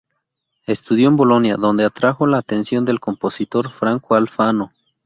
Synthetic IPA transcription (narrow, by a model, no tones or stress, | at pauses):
e̞st̪uðjo̞embo̞lo̞njaðo̞nd̪e̞at̪ɾaxo̞laːt̪e̞nsjo̞nd̪e̞lkompo̞sit̪o̞ɾfɾaŋkoalfano̞